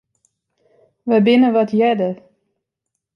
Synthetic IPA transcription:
ʋəbɪnəʋɔtʰjɛdə

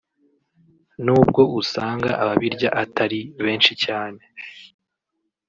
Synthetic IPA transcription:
nuːbɡo̞usaːŋɡa̰ʔaβaβiɾɟaʔatʰaɾiβe̞ːnʃicaːne̞

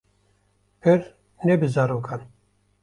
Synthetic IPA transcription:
pʰɨɾ | nɛbɨzaɾoːkʰan

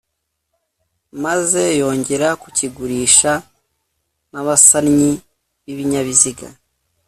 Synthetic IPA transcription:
maze̞jo̞ːɲɟe̞ɾakuciɡuɾiːʃa | naβasaɾɲi | βiβiɲaβiziɡa̰

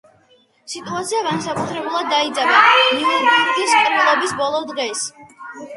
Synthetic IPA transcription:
sit̪ʰʼuat̪sʰiaɡansakʼut̪ʰɾɛbulˠad̪ːaid̪zʼabaiidikt̪ʰiskʼɾbɛlˠɔbisbɔlˠɔd̪ʁɛs

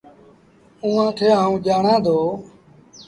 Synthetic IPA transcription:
ũːãːkʰeːaːũːd͡ʒaːɳãːd̪oː

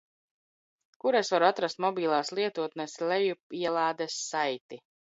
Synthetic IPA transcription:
kuɾesvaɾuat̪ɾast̪mɔbiːlˠaːslˠiɛt̪uɔt̪nɛslɛjuiɛlˠaːd̪ɛsːajt̪i

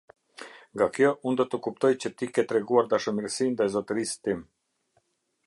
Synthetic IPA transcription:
ŋɡakjɔʔund̪ɔt̪əkup̚t̪ɔjt͡ɕət̪ikɛt̪ɾɛɡuaɾd̪aʃəmiɾsind̪azɔt̪əɾist̪im

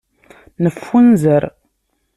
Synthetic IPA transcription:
nəfːunzəɾ

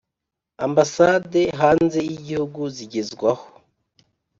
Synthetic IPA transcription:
ambasade̞ɦaːnze̞iɟihuɡuziɟezɡwaho̥

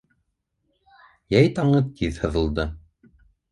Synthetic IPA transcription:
jæjt̪ɑɴɤt̪ʰiðhɤ̆ðɤ̆lˠd̪ɤ

